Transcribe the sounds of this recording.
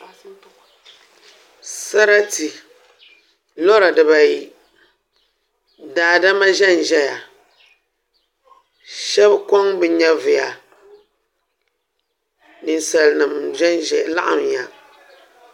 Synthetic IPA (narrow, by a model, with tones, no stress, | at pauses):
sa˦ɾa˦ti˨ | lo˦ɾa˨dɨ˨ba˨ji˨ | daː˨da˦ma˦ʒɛ˦n˨ʒɛ˦ja˨ | ʃɛ˦bko˦ŋbɨ˨ɲɛ˦vɨ˨ja˨ | nɨ˨n˨sa˨lnɨ˨mʒɛ˦n˨la̰˦ʔa̰˨m˨ja˨